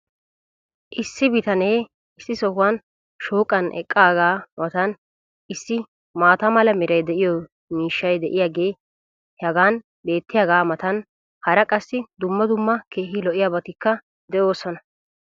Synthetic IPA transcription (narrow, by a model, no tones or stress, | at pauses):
ʔɪsːɪbɪt̪ɐne̞ː | ɪsːɪsɔhʊwɐn | ʃoːkʼːɐnʔɛ̰kʼːaːɡaːmɐt̪ɐn | ʔɪsːɪ | maːt̪ɐmɐlɐmɪɾɐjd̪ɛʔɪjɔ | miːʃːɐjd̪ɛʔɪjaːɡe̞ː | hɐɡaːn | be̞ːt̪ːɪjaːɡaːmɐt̪ɐn | hɐɾɐkʼɐsːɪd̪ʊmːɐd̪ʊmːɐkʰe̞ːɦɪlɔʔɪjaːbɐt̪ɪkːɐ | d̪ɛʔo̞ːsɔnɐ